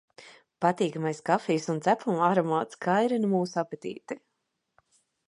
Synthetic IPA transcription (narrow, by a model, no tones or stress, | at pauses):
pat̪iːkamajskafijsunt̪sæplˠumaɾɔmaːt̪skʰajɾinmuːsapɛt̪ḭːt̪i